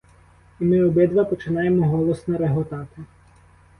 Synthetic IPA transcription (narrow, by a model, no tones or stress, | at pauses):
imɪɔbɪd̪ʋɐpɔt͡ʃɪnɑjemɔɦɔlˠɔsnɛɾeɦɔt̪ɑt̪ɪ